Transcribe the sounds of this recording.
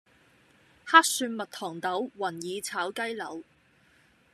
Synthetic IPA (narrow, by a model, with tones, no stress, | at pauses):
haː˥k̚syː˧nmɐ˨t̚t̪ʰɔː˨˩ŋt̪ɐ˨˥wwɐ˨˩njiː˨˧t͡sʰaː˨˥wkɐ˥jlɐ˨˥w